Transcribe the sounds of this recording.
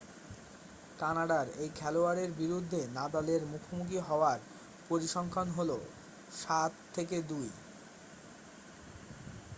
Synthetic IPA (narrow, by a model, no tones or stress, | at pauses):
kanaɖaɾejkʰɛloaɾeɾbiɾud̪ʱːenad̪aleɾmukʰomuk̬iɦɔoaɾ | poɾiʃɔŋkʰanɦolo̰ | ʃat̪ʰːeked̪uj